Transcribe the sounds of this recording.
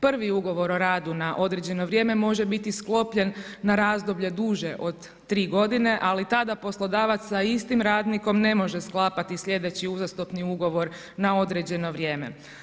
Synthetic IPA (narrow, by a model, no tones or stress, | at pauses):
pr̩ʋiuɡo̞ʋo̞ɾoɾaːd̪unaʔo̞d̪ɾe̞d͡ʑe̞no̞ʋɾje̞ːme̞mo̞ʒebit̪isklˠo̞pʎe̞nːaɾaːzd̪o̞bʎe̞d̪uːʒe̞ʔo̞d̪ːɾiːɡo̞d̪ine̞ʔalit̪ad̪apo̞slˠo̞d̪aːʋat̪ssːaist̪imɾaːd̪niko̞mne̞mo̞ʒesklˠaːpat̪isʎʲe̞d̪e̞t͡ɕiuzast̪opniuɡo̞ʋo̞ɾ | nao̞d̪ɾe̞d͡ʑe̞no̞ʋɾje̞ːme̞̰